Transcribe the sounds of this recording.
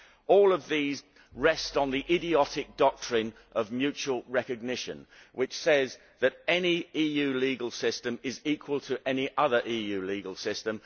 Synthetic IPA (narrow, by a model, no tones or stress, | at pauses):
ɔːlˠəvðiːz | ɹɛstn̩ðiʔɪɾiɒtɪk̚d̥ɒk̚tʰɹ̥ɪ̃n | ʔəvmjʉˑt͡ʃuəlˠɹɛkɨɡ̚nɪʃə̰̃n | wʔɪt͡ʃsɛz | ðəɾɛniiːjʉːliːɡəlˠsɪstə̃mɪziˑkʰwəlˠtʰəʔɛniʔʌðə˞ʔiːjʉːliːɡəlˠsɪstə̃m